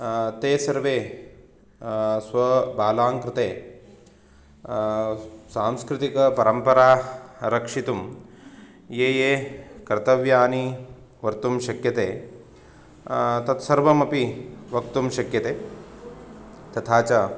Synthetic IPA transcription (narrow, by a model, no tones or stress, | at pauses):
t̪eːsɐɾʋeː | sʋɐbʱaːlaːŋkɾɪt̪eː | saːmskɾɪt̪ikɐpɐɾɐmpɐɾaːɾɐkʂit̪um | jeːjeːkɐɾt̪ɐʋjaːni | ʋɐɾt̪umʃɐkjɐt̪eː | t̪ɐt̪sɐɾʋɐmɐpiʋɐk̚t̪umʃɐkjɐt̪eː | t̪ɐt̪ʰaːt͡ʃɐ